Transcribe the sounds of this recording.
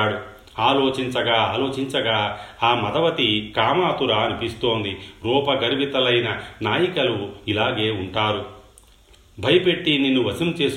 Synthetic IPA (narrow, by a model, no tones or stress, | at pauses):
ɽu | aːloːt͡ʃiɲt͡ʃɐɡaːaːlo̞ːt͡ʃiɲt͡ʃɐɡaːaːmɐd̪ɐʋɐt̪ikaːmaːt̪uɾaːɐnipist̪oːnd̪iɾuːpɐɡɐɾiʋit̪ɐlɐjnɐnaːjikɐluilaːɡe̞ːuɳʈaːɾu | bʱɐjɐpe̞ʈːininːuʋɐsimt͡ʃe̞ːs